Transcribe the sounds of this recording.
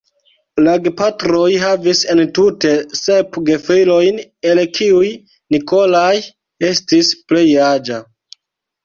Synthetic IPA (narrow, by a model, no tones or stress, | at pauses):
laɡpatɾo̞jɦavise̞ntute̞sepɡefilo̞jne̞lkʰiuj | niko̞laj | e̞stisple̞jad͡ʒa